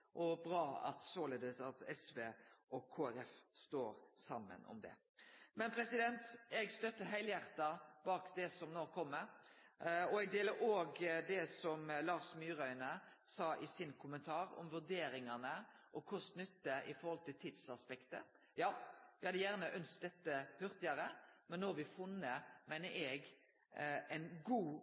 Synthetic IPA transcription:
ʔɔbɾɑːɑ̰t̪sɔleːd̪əsɑt̪ɛsʋeːʔɔkʰːoːæɾɛfst̪oːɾsɑmːə̰nɔ̰md̪ɛ̰ | mɛnpʰɾɛsɪd̪ɛnt̪ɛɡst̪œt̪ːəɦæɪljæʁt̪ɑbɑːkd̪ɛsɔmnoːkʰɔmːəɾ | ɔɛɡ̚d̪eːləɾoːɡd̪ɛsɔmlɑːʂmyːɾœʏnəsɑːʔɪsɪnkʰʊmənt̪ʰɑːɾɔ̰mʋʉɾd̪eːɾɪŋɑnə | ʔɔkʰʊst̪nʏt̪ːəɪfɔɾhɔlt̪ɪlt̪ʰɪd̪sɑspɛkt̪ə̰ | jɑːʋɪhɑd̪əjæʁnəʔœnst̪̚d̪ɛt̪ːəhʉʁt̪ɪɑɾəmɛnːoːʋɪfʊnːəmæɪnəɾʔɛɡ | ɛɪnɡuː

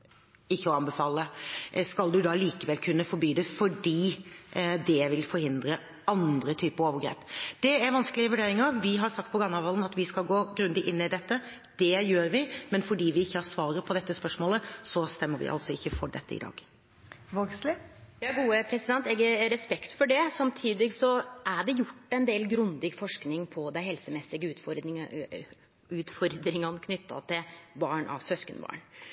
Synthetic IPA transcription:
ɪçːəɔɑnbɛfɑːləskɑld̪ʉd̪ɑːliːkəʋɛlkʰʉnːəfɔɾbyːd̪ɛfɔɖiː | d̪ɛʋɪlfɔɾhɪnd̪ɾə | ɑnd̪ɾət̪ʰyːpəɾoːʋəɡɾḛːpd̪̥ɛæɾʋɑnskəlɪəʋʉɖeːɾɪŋəʋɪɦɑɾsɑk̚t̪pʰɔɡɑnːɑʋɑlən̩ɑt̪ʋɪskɑlɡoːɡɾʉnd̪ɪʔɪnːəɪd̪ɛt̪ːə | d̪̥ɛjøːɾʋɪmɛnfɔɖiːʋɪɪçːəhɑɾsʋɑːɾəpʰɔd̪ɛt̪ːəspœʂmoːləsɔst̪ɛmːəɾʋɪ̰ʔɑ̰lt̪sɔɪçːəfɔɖɛ̰t̪ːə̰ɪ̰d̪ɑ̰ːɡ | ʋoɡslɪjɑːɡuːəpʰɾɛsɪd̪ɛnt̪ɛːɡəɾɛspɛkt̪fɔɖɛsɑmt̪ʰiːd̪lɪɡsɔʔæɖɛjʊʈːɛnd̪eːlɡɾʉnd̪ɪɡfɔʂknɪŋpʰɔd̪ɛhɛlsəmɛsːɪɡəʉːt̪fɔɾɪ | ʉːt̪fɔɾd̪ɾɪŋɑnəkʰnʏt̪ʰːɑ̰t̪ʰɪlbɑːɳɑ̰ʋsœskənbɑ̰ːɳ

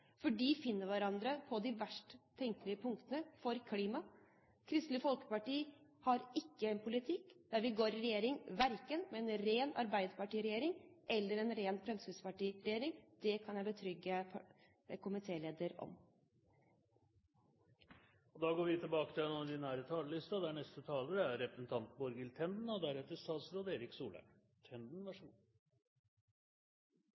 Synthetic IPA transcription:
fɔɖiːfɪnːəɾʋæɾɑnd̪ɾəpʰɔd̪ɪʋæʂʈt̪ʰɛŋk̪lɪəpʰʊŋkt̪ənəfɔɾkʰliːmɑ | kʰɾɪst̪lɪfɔlkə̥pɑʈiːhɑɾɪkːəɛnpʰʊlɪt̪ʰɪkd̪æɾʋɪɡoːɾɪɾɛjeːɾɪŋʋæɾkənmɛɛnɾeːnɑ̰ɾbæɪd̪əpɑʈiːɾɛjeːɾɪŋʔɛlːəɾɛnɾeːnpʰɾɛmsʋʉspɑʈiːɾɛjeːɾɪŋd̪̥ɛkʰɑnjæɪbət̪ʰɾʏɡːə | kʰʊmɪt̪ʰeːleːd̪əɾɔ̰m | ɔd̪ɑːɡoːɾʋɪt̪ʰɪlbɑːkət̪ɪlɛnɔɖ̪ɪnæːɾət̪ʰɑːləlɪst̪ɑd̪æɳɛst̪ət̪ʰɑːləɾəæɾɾɛpɾəsn̩t̪ʰɑnt̪bɔɾɡəlt̪ʰɛnd̪n̩ɔd̪æɾɛt̪ːəst̪ɑːt̪sɾoːd̪eːɾɪksuːlə̰ | t̪ʰɛnd̪n̩ʋæʂuː

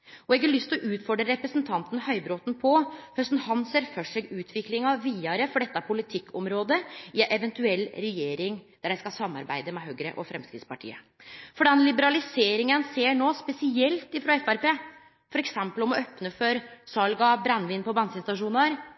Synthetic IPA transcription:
ɔɛɡɑɭʏst̪ɔʔʉːt̪fɔɖɾəɾɛpɾəsnt̪ʰɑnt̪n̩hœʏbɾoːt̪n̩pʰɔhœst̪nhɑnseːɾfœʂɛɡʉːt̪ʰʋɪklɪŋɑʋiːɑɾəfɔɖɛt̪ːɑpʰʊlɪt̪ʰɪkːɔ̰mɾoːd̪əɪʔɛʋɛnt̪ʉɛlːɾɛjeːɾɪŋd̪̥æɖæɪskɑsɑmːɑ̰ɾbæ̰ɪd̪əmɛɦøːɡɾə̰ʔɔfɾɛmskɾɪ̰t̪spɑʈʰḭːə̰ | fɔɖɛnlɪbəɾɑlɪseːɾɪŋənseːɳoːspɛsɪɛlt̪ɪfɾɑɛfæɾpeː | fɔɾɛksɛmpəlɔmɔœpnəfɔɾsɑlɡɑbɾɛnʋɪːnpʰɔbɑnsɪnst̪ɑʂuːnɑɾ

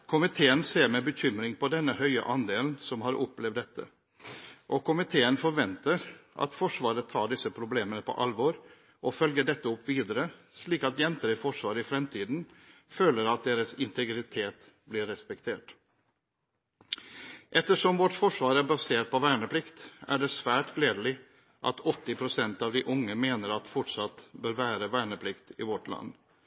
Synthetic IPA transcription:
kʰʊmɪt̪ʰeːənseːɾmɛbəçʏmɾɪŋpɔd̪ɛnːəhœʏə̰ʔɑnd̪eːln̩sɔmhɑɾʔɔpːlɛʋd̪ɛt̪ʰːə̰ | ʔɔkʰʊmɪt̪ʰeːənfɔɾʋɛnt̪əɾʔɑ̰t̪fɔʂʋɑːɾət̪ʰɑːɖɪsəpʰɾʊbleːmənəpʰɔ̰ʔɑlʋɔːɾ | ʔɔfœlɡəɖɛt̪ːəɔpːʋiːd̪əɾəsliːkɑt̪jɛnt̪əɾɪfɔʂʋɑːɾəɪfɾɛmt̪ʰiːd̪nføːləɾɑt̪̚d̪eːɾəsɪnt̪ʰɛɡɾɪt̪ʰeːt̪ | blɪɾːɛspɛkt̪ʰeːʈ | ʔɛt̪ːəʂɔmʋɔʈfɔʂʋɑːɾæbɑseːɾpɔʋæːɳəpʰlɪkt̪æ̰ɖɛsʋæːʈɡleːd̪lɪ | ʔɑ̰t̪ɔt̪ːɪpʰɾʊsɛnt̪ɑːʋd̪ɪʔʊŋːəmeːnəɾɑt̪fɔʈʂɑt̪ːbøːɾʋæːɾəʋæːɳəpʰlɪkt̪ɪʋɔʈlɑ̰nː

